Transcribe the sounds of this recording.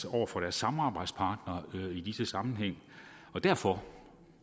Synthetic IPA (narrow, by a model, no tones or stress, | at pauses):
ɒʊ̰ɐfɒ̽ɾ̥æɐsːɑ̈mɑ̈ːb̥ɑ̈ɪ̰d̥spʰɑ̈ːd̥nɐid̥isəsɑ̈mn̩ɦeŋ̰ | ɒ̽d̥æɐfɒ̽